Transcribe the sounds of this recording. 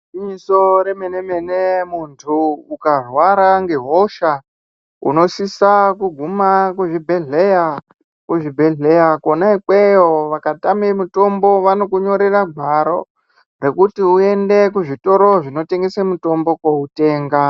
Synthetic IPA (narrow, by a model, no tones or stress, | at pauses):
iɲiso̞ɾemene̞me̞nemuntʰuukarwaɾaŋɡe̞ɦo̞ʃa | ṵno̞sisakuɡʱumakuʐibʱe̞ɮeja | kuʐibʱe̞ɮe̞jako̞naikwe̞joʋakatamemuto̞mbo̞ʋano̞kuɲo̞ɾeraɡʱwaɾo̞̰ | re̞kutiue̞nde̞kuʐito̞ɾoʐino̞te̞ŋɡe̞samuto̞mbo̞koute̞ːŋɡa